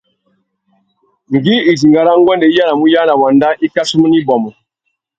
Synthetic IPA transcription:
ŋ˨ɡi˦i˨zi˨ŋɡa˨ɾa˦ŋ˦ɡwɛ˦ndɛ˨i˦ja˦na˨mu˦ja˦na˨wa˨nda˦ʔi˦ka˦su˦mu˦ni˦bɔ˨mɔ˨

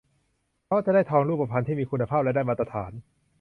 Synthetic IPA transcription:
ɔ˦˥a˥t͡ɕa˨daː˥˩jt̪ʰɔː˧ŋɾuː˥˩pa˧˩pʰa˧nt̪ʰiː˥˩miː˧kʰu˧nːa˧pʰaː˥˩p̚lɛ˦˥˩daː˥˩jmaː˧t̪ɾa˧t̪ʰaː˩˦n

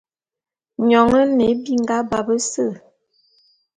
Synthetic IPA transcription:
ɲɔ˨ŋə˦ne˨˦bi˦ŋ˦ɡa˦ba˨bə˦sə˦˨

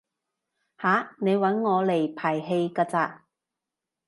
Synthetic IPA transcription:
haː˨˧˥ne˨˧jwɐ˨˥nŋɔː˨˧le˨˩jpʰaː˨˩jɦe˧jkaː˧t͡saː˧

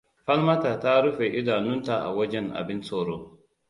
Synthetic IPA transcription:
ɸɐ˦lmɐ˦ta˨ta˦ɽʊ˦ɸeː˨ʔɪ˦daː˨nʊ˦nta˨ʔa̰˨wɐ˦d͡ʒɛ˦nʔa̰˨bɪ˦nsoː˨ɽoː˦

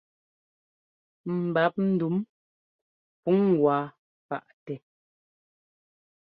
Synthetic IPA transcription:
m̩˨ba˨˦p̚n̩˦du˨˦m | pu˨˦ŋ˨ɡwaː˨˦ | pa̰˦˨ʔtɛ˨

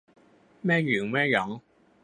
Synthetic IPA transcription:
mɛː˥jyː˨˩ŋmɛː˥jɔ˨˥ŋ

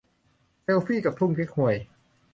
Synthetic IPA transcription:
se˧wfiː˥˩ka˨˩pʰu˥˩ŋkʰe˦˥k̚hu˨˩əj

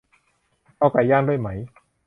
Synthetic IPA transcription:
ʔa˧˩ka˧˩jaː˥˩ŋdu˥˩jma˦˥j

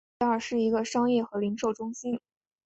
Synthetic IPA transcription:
ə˞˥˩ʂɻ̩˥˩i˧˥ɡə˧ʂɑ˥ŋjɛ˥˩xɤ˧˥li˧˥ŋʂo˥˩ʊʈ͡ʂʊ˥ŋɕi˥n

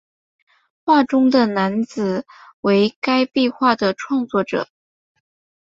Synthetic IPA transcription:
xwa˥˩ʈ͡ʂʊ˥ŋd̪ə˨na˧˥nt͡sɹ̩˨˩we˧˥ɪka˥ɪpi˥˧xwa˥˩d̪ə˩ʈ͡ʂʰwɑ˥˧ŋt͡swɔ˥˩ʈ͡ʂɤ̰˨˩˦

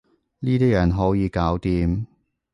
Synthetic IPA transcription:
niː˥t̪iː˥jɐ˨˩nɦɔː˨˥wjiː˨˧kaː˨˥wt̪iː˧m

